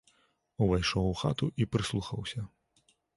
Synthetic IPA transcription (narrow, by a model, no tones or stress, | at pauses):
uvajʂɔwuxa̰t̪uʔipɾɨslˠuxɐwsʲɐ